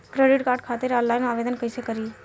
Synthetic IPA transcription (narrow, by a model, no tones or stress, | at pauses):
kɾeɖɪʈkaːɾɖkʰat̪eɾɔ̃ːnlaɪnaːʋed̪ənkəisekəɾiː